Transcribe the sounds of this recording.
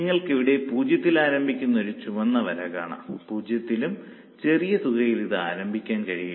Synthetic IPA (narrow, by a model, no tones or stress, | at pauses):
iŋːɐɭkeʋiɽe̞puːd͡ʑjɐt̪ːilaːɾɐmbʱikʲːunːɐo̞ɾut͡ɕuʋɐnːɐʋɐɾɐka̰ːɳɐ̰mpuːd͡ʑjɐt̪ːilum | t͡ɕe̞rijɐsuɣɐjiliðɨa̰ːɾɐmbʱikʲːaːnkɐɻijɐ